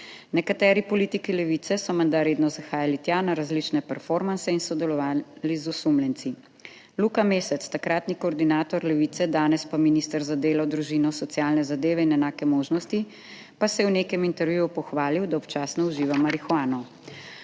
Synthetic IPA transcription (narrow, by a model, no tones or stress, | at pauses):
nɛkat̪ɛːɾipɔliːt̪ikilɛʋit̪sɛsɔmɛnd̪aɾeːd̪nɔzaxaːjalit̪janaɾazlit͡ʃnɛpɛɾfɔɾmansɛinsɔd̪ɛlɔʋaːlizusumlɛnt̪si | lukameːsɛt̪st̪akɾaːt̪nikɔːɾd̪inaːt̪ɔɾlɛʋiːt̪sɛd̪aːnɛspaminist̪əɾzad̪eːlɔd̪ɾuʒinɔsɔt̪sjaːlnɛzad̪eːʋɛinɛnaːkɛmoːʒnɔst̪i | pasɛjɛwnekɛmint̪ɛɾʋjujupɔxʋaːliwd̪aɔpt͡ʃaːsnɔuʒiːʋamaɾixwaːnɔ